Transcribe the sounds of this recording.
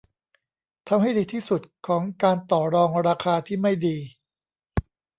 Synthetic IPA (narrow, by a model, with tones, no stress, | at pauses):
t̪ʰa˧mha˥˩jdiː˧t̪ʰiː˥˩su˨˩t̪̚kʰɔː˩˦ŋkaː˧nt̪ɔː˨˩ɾɔː˧ŋɾaː˧kʰaː˧t̪ʰiː˥˩ma˥˩jdiː˧